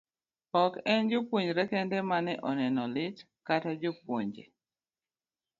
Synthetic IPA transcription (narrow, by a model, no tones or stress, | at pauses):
ɔkɛnd͡ʒopwoɲd͡ʒɾɛkɛndɛmanɛʔɔnɛnɔlɪt | katad͡ʒopwoɲd͡ʒḛ